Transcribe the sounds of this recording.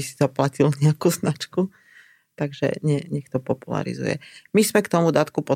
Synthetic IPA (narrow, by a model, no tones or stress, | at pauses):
isizaplacilɲɛakuːznat͡ʃku | t̪aɡʒɛ̰ɲɛɲɛkt̪ɔpɔpula̰ɾḭzṵjɛ̰mizmɛkt̪ɔmud̪aːt̪kupɔ